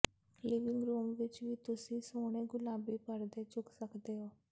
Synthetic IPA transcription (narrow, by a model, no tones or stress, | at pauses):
lɪʋɪ̃ŋɡɾuːmʋɪt͡ʃʋiːt̪ʊsĩːsoːɽ̃eːɡʊlaːbiːpəɾd̪eːt͡ʃʊksəkd̪eːɦoː